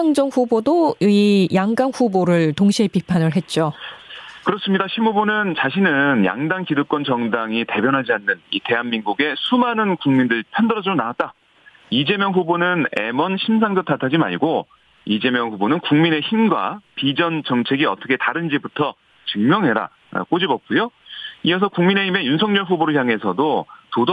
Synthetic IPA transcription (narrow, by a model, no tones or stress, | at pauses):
aŋd͡ʑʌŋɸubodoijaŋɡaŋɸuboɾɯɭtoŋɕʰiɦe̞pipʰanɯɭɦe̞t̚t͡ɕ͈o | kɯɾʌs͈ɯmɲidaɕʰimhubonɯnt͡ɕaɕʰinɯnja̰ŋdaŋkidɯk͈wʌnt͡ɕʌŋdaŋite̞bjʌnɦad͡ʑianːɯnite̞ɦanminɡuɡe̞sʰumanɯnkuŋmindɯɭpʰjʌndɯɾʌd͡ʑɯonawat̚t͈a | id͡ʑe̞mjʌŋɸubonɯne̞mʌnɕʰimsʰaŋd͡ʑʌtʰatʰad͡ʑima̰ɭɡo | id͡ʑe̞mjʌŋɸubonɯnkuŋmine̞çimɡwa̰pid͡ʑʌnt͡ɕʌŋt͡ɕʰe̞ɡiʌt͈ʰʌkʰetaɾɯnd͡ʑibutʰʌ | t͡ɕɯŋmjʌŋɦeɾa̰ | ʌ̰k͈od͡ʑibʌp̚k͈ujoijʌs̬ʰʌkuŋmine̞çime̞junsʰʌŋɲʌɭɸuboɾɯɭçjaŋɦe̞sʰʌdotod